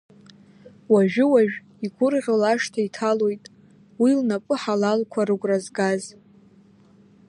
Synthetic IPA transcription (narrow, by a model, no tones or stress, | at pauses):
waʒᶣʊwaʒᶣ | iɡʷʊrʁʲolaʃtʰaitʰalo̞jtʼ | wilnapʼɨħalalkʷʰaɾɨɡʷʼrazɡaz